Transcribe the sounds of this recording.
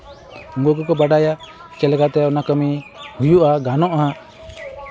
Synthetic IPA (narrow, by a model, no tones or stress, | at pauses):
uŋɡɔɡɔkɔbaɖaja | t͡ʃɛlɛkat̪ɛɔnakəmihujuʔaɡanɔʔã